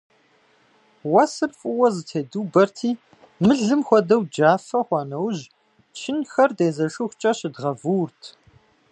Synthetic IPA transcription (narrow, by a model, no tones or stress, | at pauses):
wɐsɨrfʼʊwɐzɨtʰeːduːbɐrtʰiː | mɨɮɨmxʷɔdɐwd͡ʒaːfɐχʷɑːnɐwʒ | t͡ʃʰɪnxɐrdeːzɐʃʊxʷt͡ʃʼɐɕɪdʁɐvuːrtʰ